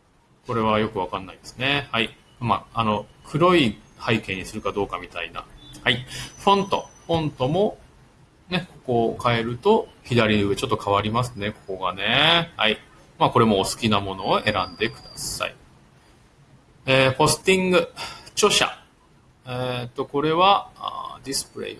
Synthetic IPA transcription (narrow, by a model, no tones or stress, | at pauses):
ko̞ɾe̞β̞ajo̞kɯ̟β̞akanːaid̪̥e̞sɨne̞hai | maːno̞kʰɯ̟ɾo̞ihaike̞ɲ̟isɨɾɯ̟kad̪o̞ːkamʲit̪aina̰haiɸõ̞nt̪o̞̰ɸõ̞nt̪o̞mo̞ | ne̞ko̞ko̞kae̞ɾɯ̟t̪o̞çid̪aɾʲiɯ̟βe̞t͡ɕo̞t̪ːokʰaβaɾʲimasɨ̥ne̞ko̞ko̞ɡane̞ha̰i | maːko̞ɾe̞mo̞ːsɨ̥kʲinamo̞no̞ːʔe̞ɾãnd̪e̞kɯ̟d̪asa̰ḭ | eːpo̞sɨ̥t̪ĩŋɡɯ̟t͡ɕo̞ɕa̰ | et̪ːo̞ko̞ɾe̞βaad̪ʲisɨ̥pɯɾe̞̰i